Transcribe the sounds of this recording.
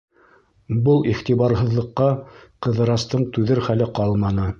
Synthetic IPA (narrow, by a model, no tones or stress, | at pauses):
bɤlˠiχt̪iβɑɾɦɤ̆ðlˠɤ̆qːɑqɤ̆ðɤ̆ɾɑst̪ɤɴt̪ʉðɘɾχælɘqɑlˠmɑnɤ